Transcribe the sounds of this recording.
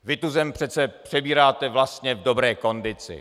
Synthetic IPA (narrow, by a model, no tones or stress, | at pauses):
vɪt̪uzɛmpr̝̥ɛt̪t͡sɛpr̝̥ɛbiːɾaːt̪ɛvlast̪ɲɛvdo̞bɾɛːko̞ndɪt͡sɪ̰